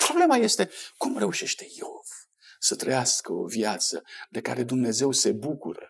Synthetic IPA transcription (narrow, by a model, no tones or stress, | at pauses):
pɾo̞ble̞maje̞st̪e̞kumre̞uʃe̞ʃt̪e̞̥jeov | sət̪ɾəjaskəo̞̰vjat̪sə̰d̪e̞ka̰ɾe̞d̪umne̞ze̞wse̞bukṵɾə̰